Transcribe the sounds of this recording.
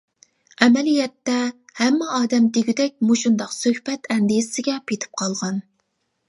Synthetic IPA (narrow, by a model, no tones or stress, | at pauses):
ɛmɛlijɛt̪ːɛhɛmːɛɑːd̪ɛmt̪ʰeɡʲyd̪ɛk̚ʲmoʃund̪ɑqsøhpɛt̪ʰɛnd̪ijsɪɡʲɛpʰet̪ʰɪ̥p̚qʰɑlˠʁɑn